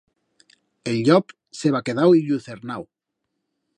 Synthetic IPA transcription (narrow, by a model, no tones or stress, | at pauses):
elʎɔp | seβakeð̞awiʎuθeɾnaw